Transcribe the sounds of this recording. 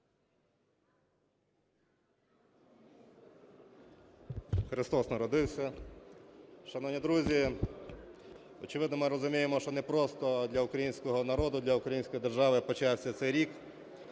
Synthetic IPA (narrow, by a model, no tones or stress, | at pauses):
xɾɪst̪ɔsnɐɾɔd̪ɪwsʲɐ | ʃɐnɔʋnʲid̪ɾuzʲi | ɔt͡ʃɪʋɪd̪nɔmɪɾɔzʊmʲijemɔʃt͡ʃɔnɛpɾɔst̪ɔd̪lʲɐukɾɐjinʲsʲkɔɦɔnɐɾɔd̪ʊd̪lʲɐukɾɐjinʲsʲkɔjid̪erʒɑʋɪpɔt͡ʃawsʲɐt̪sɛjɾʲik